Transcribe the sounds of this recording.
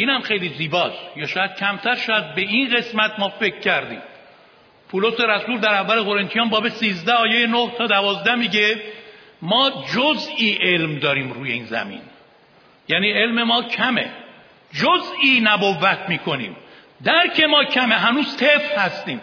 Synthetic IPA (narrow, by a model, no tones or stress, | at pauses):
ʔiːnhæmxe̞jliziːbɒːsjɒːʃɒːjæd̪̥̚cʲʰæmt̪ʰæɾʃææd̪̚beinɢe̞smæt̪̚mɒːfe̞kʰːæɾd̪ḭːm | pʰuːlose̞ɾæsuːɾd̪æɾævːæleɣo̞ɾent̪ʰijɒːmbɒːbesiːzd̪æɒːjejenoht̪ʰɒːd̪ævɒːzd̪æmiɟe | mɒːd͡ʒozʔiːʔe̞lmd̪ɒːɾiːmɾuːjeiːnzæ̰mḭːn | jæːniːe̞lmemɒːcʰæmḛ | d͡ʒoziːnæbovːæt̪ʰmiːkʰo̞nḭːm | d̪æɾcʰe̞mɒːcʰæme̞ɦænuːz̥t̪ʰefhæst̪iːm